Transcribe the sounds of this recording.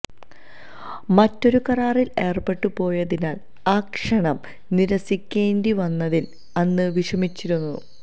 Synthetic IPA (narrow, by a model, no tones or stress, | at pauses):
mɐtːo̞ɾukɐraːrile̞ːrpe̞ʈːupo̞ːjɐðinaːl | aːkʂɐɳɐm | niɾɐsikʲːeːndiʋɐnːɐðil | ɐnːɨʋiʂɐmit͡ɕːiɾunːṵ